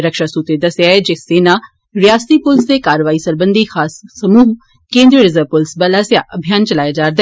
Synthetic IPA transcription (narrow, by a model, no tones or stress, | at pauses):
ɾəkʃasuːt̪ed̪ɐsjaed͡ʒeseːna | ɾɪjaːst̪ipʊlst̪ekaːɾəʋaːisɐɾbə̃nd̪ʱixʰaːsːɐmuːɦ | kẽːnd̪ɾiəɾɪzəʋpʊlsbɐlaːsjaʔɐbʱjaːnt͡ʃɐlaːjad͡ʒaːɾd̪